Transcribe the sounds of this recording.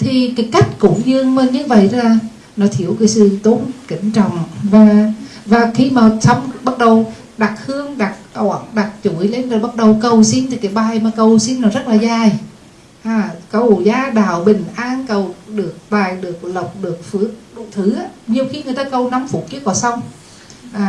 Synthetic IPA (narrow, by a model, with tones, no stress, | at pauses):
t̪ʰi˨˩kaː˨˦jka˦˥jk̟̚kʊ̰˧˦ɲɨ˧əŋməː˧ɲɨ˧və̰˧˨jlaː˨˩ | nɔ˨˦t̪ʰi˧˩əwkaː˨˦jsɨ˧˩˨t̪o˨˦nkï˧˩˦ŋ̟t͡ɕɔ̰˧˨wŋ͡mvaː˨˩vaː˨˩xi˧maː˨˩sa˧wŋ͡mɓa˦˥t̚ɗə˨˩w | ɗa˨˩k̚hɨ˧əŋɗa˨˩k̚ɔ˧a˧˩˦nɗa˨˩k̚t͡ɕu˧˩˦jle˧nzaː˨˩ɓa˦˥t̚ɗə˨˩wkə˨˩wsi˧nt̪ʰi˨˩kaː˨˦jɓaː˨˩jmaː˨˩kə˧wsi˧nnɔ˨˦zə˦˥t̚laː˨˩zaː˧˩j | ʔaː˨˩kə˨˩wzaː˨˦ɗaː˧˨˩wɓï˨˩ŋ̟ʔaː˧nkə˨˩wɗɨ˨˩ək̚ɓaː˨˩jɗɨ˨˩ək̚lə˨˩wk͡p̚ɗɨ˨˩ək̚fɨ˧˥˦əɗt̪ʰɨ˧˩aː˨˦ɲi˨˩əwxi˧ŋɨ˨˩t̪aː˧kə˧wna˨˦mfu˨˧˩k͡p̚t͡ɕɨ˨˦kɔ˧˩˦sa˧wŋ͡m | ʔaː˨˩